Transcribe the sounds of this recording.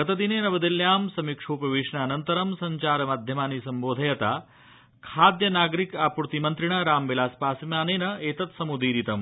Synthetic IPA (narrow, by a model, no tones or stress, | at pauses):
ɡɐt̪ɐd̪ineːnɐbɐd̪iljaːmsɐmikʂoːpɐʋiːʂɳɐːnɐnt̪ɐɾɐmsɐɲt͡ʃaːɾɐmaːd̪ʱjɐmaːnisɐmboːd̪ʱɐjɐt̪aː | kʰaːd̪jɐnaːɡɾikaːpuɾt̪imɐnt̪ɾiɳ̃ɐɾaːmʋilaːspaːsimjaːneːnɐeːt̪ɐt̪sɐmud̪iːɾit̪ɐm